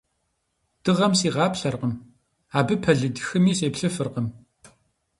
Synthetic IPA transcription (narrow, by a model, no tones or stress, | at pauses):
d̥ɨʁɐmsiːʁɑːpɬɐrqəm | aːbɨpʰɐɮɨdxɨmiːseːpɬɨfɨrqəm